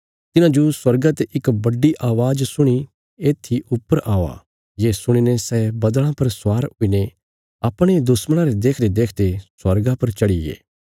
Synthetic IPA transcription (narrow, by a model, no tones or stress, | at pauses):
t̪ɪnãːd͡ʒoswɐɾɡat̪eʔɪkbɐɖiʔaːʋaːd͡ʒsʊɽ̃i | eːt̪ʰːiʔʊpːəɾʔaːa̰ | jeːsʊɽ̃inesɛːbɐd̪ɭ̃ãpɐɾsaːɾʊine | aːpɽ̃ed̪ʊsməɽ̃ãɾed̪eːkʰd̪ed̪eːkʰd̪eswɐɾɡapɐɾt͡ʃɐɽiɡḛː